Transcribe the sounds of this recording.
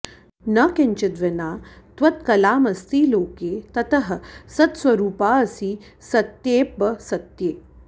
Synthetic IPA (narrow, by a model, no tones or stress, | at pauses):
nɐkeɲt͡ʃɐd̪ʋɐnaːt̪ʋɐt̪kɐlaːmɐst̪ʰiːloːkeːt̪ɐt̪ɐɦɐ̆sɐt̪swɐɾuːpaːɐsi | sɐt̪jeːpːɐsɐt̪jeː